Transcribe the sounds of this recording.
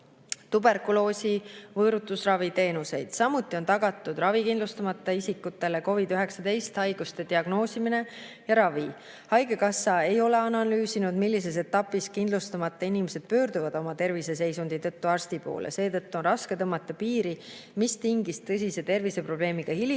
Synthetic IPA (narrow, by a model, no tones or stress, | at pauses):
t̪ube̞rkulo̞ːsivɤːɾut̪ːˑusrɑvit̪e̞ːnuse̞jd̪̥sɑmut̪ːˑio̞nt̪ɑɡ̥ɑt̪ːˑud̪rɑvikind̪lust̪ɑmɑt̪ːˑɑisikːut̪ːˑe̞le̞ko̞vid̪yɦe̞ksɑd̪e̞jst̪hɑjɡ̥ust̪e̞d̪iɑɡno̞ːsimine̞ | jɑɾɑvi | hɑjɡe̞kɑsːɑe̞jo̞le̞ɑnɑlyːsinud̪milːis̬e̞s̬e̞t̪ːˑɑpːˑiskind̪lust̪ɑmɑt̪ːˑɑinimese̞d̪̥̚pø̞ːɾd̪uvɑd̪̥o̞mɑt̪e̞rvise̞s̬e̞jsund̪̥it̪ɤt̪ːuɑrst̪ipo̞̰ːlḛse̞ːt̪ɤt̪ːuo̞nrɑske̞t̪ɤmːɑt̪ˑːɑpiːɾi | mist̪iŋɡist̪ɤs̬ʲise̞t̪e̞rvise̞pro̞b̥le̞ːmiɡ̥ɑhili